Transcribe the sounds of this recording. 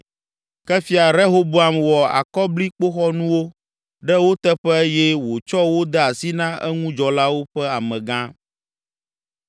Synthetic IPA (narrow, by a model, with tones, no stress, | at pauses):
kɛ˦fi˦a˨ɾɛ˦ɦo˦bu˦a˦mwɔ˨a̰˨kɔ˦bli˦k͡po˦xɔ˦nũ˦wo˦ | ɖɛ˦wo˦t̪ɛ˦ɸɛ˦jɛ˦wo˨t͡ʃɔ˦wo˦d̪ɛ˦a˨si˦nã˦ʔɛ˦ŋũ˦d͡ʒɔ˨la˦wo˦ɸɛ˦a˨mɛ̃˨ɡã˦